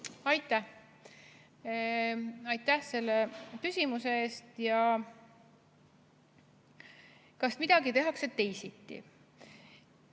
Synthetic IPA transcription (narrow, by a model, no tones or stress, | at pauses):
ɑjt̪ːˑæh | ɑjt̪ːˑæhse̞lːekysʲimuse̞eːst̪jɑ | kɑsmid̪̥ɑɡit̪e̞ɦɑkset̪ːe̞jsit̪ːḭ